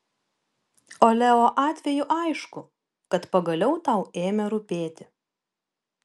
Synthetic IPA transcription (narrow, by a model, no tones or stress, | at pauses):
oːlʲɛoːʔɑːt̪ʲʋʲɛjʊʔɐɪʃkʊ | kɐt̪pɐɡɐlʲɛʊt̪ɐˑʊeːmʲɛɾʊpʲeːt̪ʲɪ